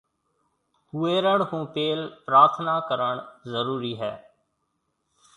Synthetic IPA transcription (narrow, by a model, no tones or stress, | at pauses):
ɦueːɾəɽɦũːpeːlpɾaːɾt̪ʰnakəɾəɳ̃zəɾuːɾiɦɛ̰ː